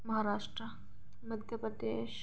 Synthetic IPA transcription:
mɐɦaɾaːʂʈɾə | mɐd̪ʱjəpɾəd̪eːʃ

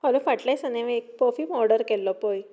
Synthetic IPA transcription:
ɦalũfaʈlajsəneʋek̚pɔfiːmɔɾɖəɾkɛlːɔpoj

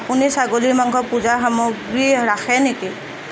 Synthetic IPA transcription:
apunisaɡoliɹmaŋkʰɔpuzaxamoɡɹiɹaxɛneki

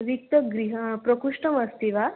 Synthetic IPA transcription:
ʋik̚t̪əɡɾiɦəpɾəkuʂʈəmɐst̪iʋa

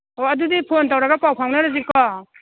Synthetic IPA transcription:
oɐdudipʰontawɾaɡapawpʰawnaɾazikɔ

